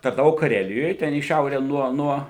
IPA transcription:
tɐrnɐˈʋɐʊ kɐˈrʲæːlʲɪjoːj tʲɛn iː ˈʃʲɛʊrʲɛ ˈnuɔ ˈnuɔ

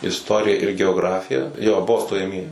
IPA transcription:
ɪsˈtoːrʲɪjɛ ɪr ɡʲɛoːˈɡrɑːfʲɪjɛ joː ˈbʊʋoː stoːjɛˈmʲiɛjɪ

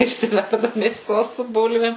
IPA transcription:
ɪʃʲsʲɪˈʋʲɛrdɐ mʲeːˈsoːs sʊ ˈbʊlʲʋʲeːm

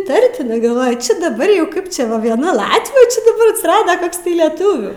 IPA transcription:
ɪˈtɐrʲtʲɪnɐɪ ɡɐlˠˈʋoːjʊ ˈt͡ʃʲɛ dɐˈbɐr jɛʊ ˈkɐɪp ˈt͡ʃʲɛ ʋɐ ʋʲiɛˈnɐ ˈlˠɑːtʲʋʲuː t͡ʃʲɛ dɐˈbɐr ɐtʲsʲɪˈrɑːdɐ ˈkoːks tɐɪ lʲɛˈtʊʋʲuː

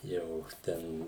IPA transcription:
ˈjɛʊ ˈtʲɛn

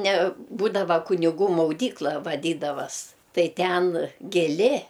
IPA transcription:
nʲɛ ˈbuːdɐʋɐ kʊnʲɪˈɡuː mɐʊˈdʲiːklˠɐ ʋɐˈdʲiːdɐʋɐs ˈtɐɪ ˈtʲɛn ɡʲɪˈlʲɪ

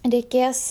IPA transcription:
rʲɛɪˈkʲeːs

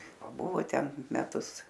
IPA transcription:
pɐˈbʊʋoː ˈtʲɛn mʲɛˈtʊs

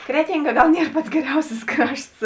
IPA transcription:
ˈkrʲæːtʲɪŋˌɡɐ ˈɡɐlˠ ˈnʲiɛr ˈpɐts ɡʲɛˈrʲɛʊsʲɪs ˈkrɐʃts

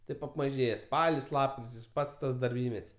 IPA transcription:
ˈtɐɪp ɐpmɐˈʒʲeːjɛ ˈspɑːlʲɪs ˈlˠɑːpkrʲɪtʲɪs ˈpɐts ˈtɐs dɐrʲˈbʲiːmʲɛtʲsʲ

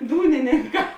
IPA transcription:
ˈduːnʲɪnʲɪŋˌkɑː

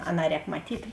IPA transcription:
ˈɑːˌnɑː ˈrʲɛːk mɐˈtʲiːtʲ

